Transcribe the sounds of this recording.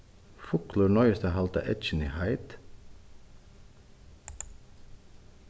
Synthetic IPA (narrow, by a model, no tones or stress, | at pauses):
fʊkləɹɳɔʏst̪əɦɑlt̪ɑ̰ʔɛt̪t͡ʃənḭhɑɪt̪